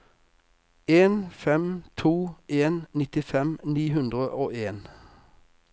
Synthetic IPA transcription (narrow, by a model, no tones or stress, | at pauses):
eːnfɛmt̪ʰuːʔeːnnɪt̪ɪfɛmniːhʉnd̪ʁəʔoːeːn